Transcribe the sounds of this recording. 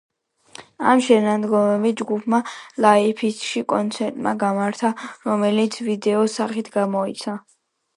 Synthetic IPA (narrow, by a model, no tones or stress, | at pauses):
a̰mʃɛnad̪ɡɔmɛvid͡ʒɡupʰmalaipʰisʃikʼɔnt̪sʰɛɾt̪ʼma̰ɡamaɾt̪ʰaɾɔmɛlit̪sʰvid̪ɛɔsaχit̪ʰɡamɔit̪sʰa